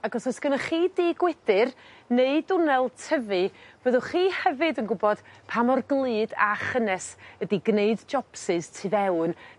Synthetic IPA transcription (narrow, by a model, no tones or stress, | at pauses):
aɡɔsɔsɡ̥ənaχiːdiːɡwɪdɨrneɨdʊnɛlˠtʰəvɨvəðʊχiːhɛvɨdənɡʊbɔd̥pʰamɔrɡlˠɨːda̰χənɛsədiɡneɨdd͡ʒɔpsɨztʰivɛwn